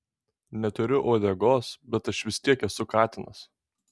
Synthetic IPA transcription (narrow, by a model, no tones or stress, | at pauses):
nʲɛt̪ʊɾʲʊʔoːd̪ʲɛɡoːsbʲɛt̪ɐʃʋʲɪst̪ʲiɛkɛsʊkɑːt̪ʲɪnɐs